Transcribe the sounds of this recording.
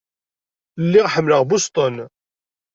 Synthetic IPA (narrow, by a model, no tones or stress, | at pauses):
lːiʁħəmːləʁbʊst̪ˤən